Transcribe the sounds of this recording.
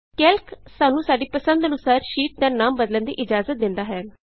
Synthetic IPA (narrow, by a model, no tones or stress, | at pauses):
kɛlkʰsaːnũːsaːɖiːpəsənd̪ənʊsaːɾʃiːʈ̪̚d̪aːnaːmbəd̪lənd̪ḭːʔɪd͡ʒaːzət̪̚d̪ɪnd̪aːɦɛːn